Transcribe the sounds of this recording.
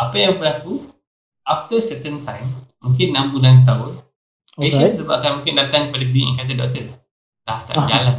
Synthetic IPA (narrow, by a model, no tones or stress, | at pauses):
apajãŋbəlaku | aft̪əsɛt̪ə̃nt̪ãjmmũŋkɪnːãmbudãns̬t̪aɦʊn | esət̪əsəbap̚kanmũŋkɪndat̪aŋkəpadəbiŋʔɛ̰̃ŋkat̪̬ədɔ̰ʔ̚t̪ə | t̪aht̪a̰ʔd͡ʒa̰lan